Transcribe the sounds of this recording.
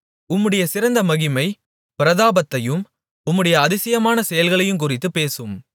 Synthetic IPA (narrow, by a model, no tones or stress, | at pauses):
ʊmːɯɽɐjɐsɪɾɐnd̪ɐmɐɣɪmɐɪ | pɪɾɐðaːbɐt̪ːɐjɯm | ʊmːɯɽɐjɐːðɪsɪjɐmaːnɐsɛjɐlɣɐɭɐjɯmk̬ʊrɪt̪ːɯpeːsɯm